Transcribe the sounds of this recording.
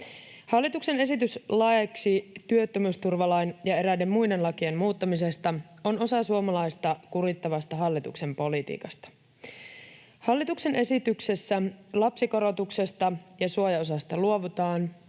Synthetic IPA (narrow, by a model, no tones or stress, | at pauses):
hɑlːit̪ukse̞ne̞s̬it̪yslɑeksit̪yøt̪ːømyːst̪urʋɑlɑinjɑe̞ɾæde̞mːujde̞nlɑkiemmuːt̪ːɑmise̞st̪ɑ | o̞no̞sɑsuomɑlɑjst̪ɑkuɾit̪ːɑʋɑst̪ɑɦɑlːit̪ṵkse̞mpo̞lit̪ḭːkɑst̪ɑ̥ | hɑlːit̪ukse̞nʔe̞sit̪ykse̞sːælɑpsiko̞ɾo̞t̪ukse̞st̪ɑjɑsuojɑos̬ɑst̪ɑluo̞ʋut̪ɑːn